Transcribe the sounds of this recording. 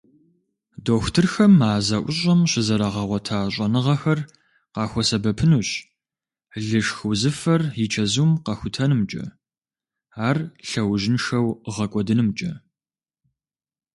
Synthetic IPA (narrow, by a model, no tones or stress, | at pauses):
doːxʷtʰɨrxɐmaːzɐʔʷʊɕʼɐmɕɪzɐɾɐʁɐʁʷɔtʰaːɕʼɐnɨʁɐxɐr | qɑːxʷɔsɐbɐpʰɨnuːɕ | ɮɨʂxuzɨfɐrjɪt͡ʃʰɐzuːmqɐxʷʊtʰɐnɨmt͡ʃʼɐ̰ | aːrɬɐwʒɪnʂɐwʁɐkʷʼɔdɨnɨmt͡ʃʼɐ